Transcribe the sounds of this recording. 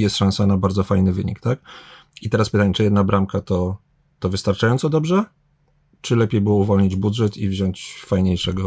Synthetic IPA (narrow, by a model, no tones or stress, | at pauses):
jɛst̪ʂãnsanabaɾd̪zɔfajnɘvɘɲḭkt̪ak | it̪ɛɾaspɘt̪aɲɛt͡ʂɘjɛd̪nabɾamkat̪ɔ | t̪ɔvɘst̪aɾt͡ʂajɔnt̪sɔd̪ɔbʐɛ | t͡ʂɘlɛpʲjejbɘwɔuvɔlɲid͡ʑbudʐɛt̪ivʑɔɲt͡ɕfajɲejʂɛɡɔ